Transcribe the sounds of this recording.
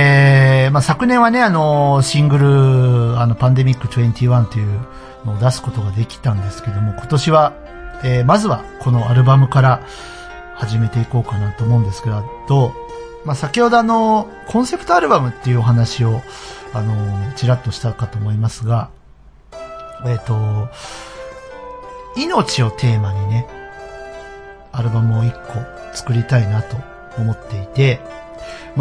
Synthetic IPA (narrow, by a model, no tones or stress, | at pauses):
emasakɯ̟nẽ̞ɰ̃βane̞ano̞ɕĩŋɡɯ̟ɾɯ̟ano̞pãnd̪e̞mʲikːɯ̟t͡ɕoẽnt̪ʲiːβãnt̪ːe̞jɯ̟ | no̞ːd̪asɨ̥ko̞t̪o̞ɡad̪e̞kʲi̥t̪ãnd̪e̞sɨ̥ke̞d̪o̞mo̞kʰo̞t̪o̞ɕiβa | eːmazɨβakʰo̞no̞aɾɯ̟bamɯ̟kaɾa | haʑime̞t̪e̞iko̞ːkanat̪oːmo̞ɯ̟̃nd̪e̞sɨ̥keɾad̪o̞ | masakʲiho̞d̪o̞ano̞ | kʰõ̞ɰ̃se̞pɯ̥t̪o̞aɾɯ̟bamɯ̟t̪ːe̞jɯ̟o̞ɦanaɕio̞ano̞net͡ɕiɾat̪ːo̞ɕi̥t̪akat̪o̞ːmo̞imasɨɡa | e̞t̪o̞ | ino̞t͡ɕio̞t̪ʰe̞ːmaɲ̟ine̞ | aɾɯ̟bamɯ̟o̞ikʰːo̞ | t͡sɨ̥kɯ̟ɾʲit̪ainat̪o̞ː | mo̞t̪ːe̞it̪e̞ | m